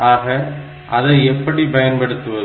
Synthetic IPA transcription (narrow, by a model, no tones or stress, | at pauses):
aːɣɐ | ʔɐðɐɛpːɐɽipɐjɐnpɐɽɯt̪ːɯʋɐð